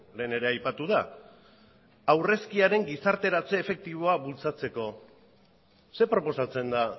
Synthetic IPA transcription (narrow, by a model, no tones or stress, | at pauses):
le̞ːne̞ɾe̞ajpat̪uða | awre̞skiaɾe̞ŋɡisaɾt̪e̞ɾat͡se̞ːfe̞k̚t̪iβ̞o̞aβult͡sat͡se̞ko̞ | se̞pɾo̞po̞sat͡se̞nd̪a